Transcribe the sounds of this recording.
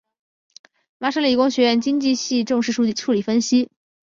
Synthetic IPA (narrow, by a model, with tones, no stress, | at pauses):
ma˧˥ʂə˥li˨˩kʊ˥ŋɕɥɛ˧˥ɥɛ˥˩nt͡ɕi˥ŋt͡ɕi˥˧ɕi˥˧ʈ͡ʂɤ˥˧ŋʂɻ̩˥˧ʂu˥˩t͡ɕi˥˩ʈ͡ʂʰu˥˩li˨˩fə˥nɕi˥